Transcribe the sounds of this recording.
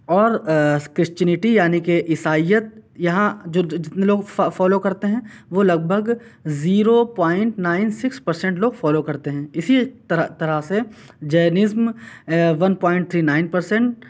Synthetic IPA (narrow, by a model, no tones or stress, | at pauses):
ɔːɾkɾɪst͡ʃənɪʈijaːnikeʔɪsaːijət̪̚jɐɦãd͡ʒoːd͡ʒɪt̪neloːɡffɔːlokɐɾt̪eɦɛ̃ʋoːlɐɡ̚bʱəɡ | ziːɾopaːɪ̃ɳʈnaːɪnsɪkspɐɾsɛ̃ɳʈloːɡfɔːlokɐɾt̪eɦɛ̃ːɪsit̪t̪ɐɾase | d͡ʒeːnɪzm | ʋɐnpɔːɪ̃ɳʈt̪ʰɾiːnaːɪnpɐɾsɛ̃ɳʈ